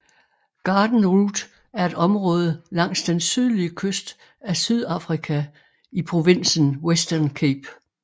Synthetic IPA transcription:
ɡ̥ɑ̈ːd̥n̩ʁuːd̥ | æɐe̝d̥ɒ̽mʁɔ̽ːð̞ˠəlɑ̈ŋ̰sd̥ensyð̞ˠliəkʰøsd̥ | æsyð̞ˠɑ̈fʁikʰæ | ipʰʁo̝ʋen̰sən̩wesd̥ɐnkʰeb̥

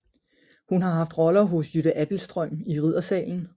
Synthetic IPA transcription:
hunɦɑ̈ɦɑ̈fd̥ʁɒ̽lɐɦɔ̽sjyd̥æʔæb̥l̩sd̥ʁœm̰iʁið̰ˠɐsɛ̰ːln̩

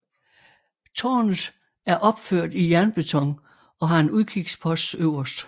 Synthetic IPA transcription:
t͡sʰɒ̰ːnð̩ˠ | æɐʔɒ̽b̥føɐ̰d̥ijæɐnb̥et͡sʰɒ̽ŋ̰ | ɒ̽ɦɑ̈e̝nuðˠkʰiɡ̥spʰɒ̽sd̥øʊ̰ɐsd̥

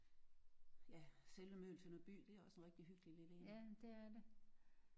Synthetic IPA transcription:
jæselʋəmø̰ːl̩sənɒb̥y̰ːd̥e̝æɒ̽snʁeɡ̥̚d̥iɦyɡ̥lileleæd̥eæɐde

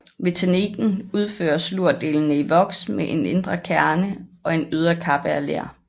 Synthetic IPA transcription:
ʋet͡sʰæniɡ̥n̩uð̞ˠfø̰ːɐsluɐ̰d̥e̝̰ːln̩əiʋɒ̽ɡ̥smeʔe̝ne̝nd̥ʁɐkʰæɐnəɒ̽e̝nøð̞ˠɐkʰɑ̈b̥əæɐlḛːɐ̰

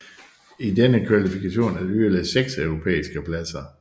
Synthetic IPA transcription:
idenəkʰʋælifikʰæɕo̝̰ːnæɐdyelɛseɡ̥sœʊʁo̝pʰḛːisɡ̥əpʰlæsɐ

